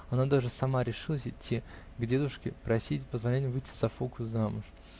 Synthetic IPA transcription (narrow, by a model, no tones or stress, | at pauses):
ɐnad̪aʐɨsɐmaɾʲɪʂɨlˠəsʲɪtʲːi | ɡdʲe̞d̪ʊʂkʲɪpɾɐsʲitʲpəzvɐlʲænʲɪmvɨjtʲːɪ̥zɐfokʊjʊzamʊʂ